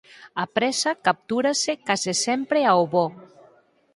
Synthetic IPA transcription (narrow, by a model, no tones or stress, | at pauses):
apɾɛsakap̚t̪uɾasekazesɛmpɾeaoβɔ